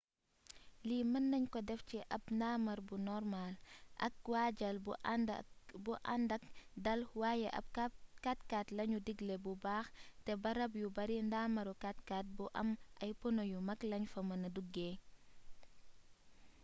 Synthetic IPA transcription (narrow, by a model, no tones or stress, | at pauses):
limɐnːɐɲkɔdɛfciʔɐp̚ndamɐɾbunɔrmalʔɐ̰k̚waɟɐl | buʔandɐk̚dɐlwaːjɛʔɐ̰p̚kkatkatlɐɲudiɡlebubaːxtɛbɐɾɐb̬jubɐɾindaːmɐɾukatkaːt̚buʔɐ̰mʔɐjpɔnojumɐklɐɲfɐmɐnɐduɡːeː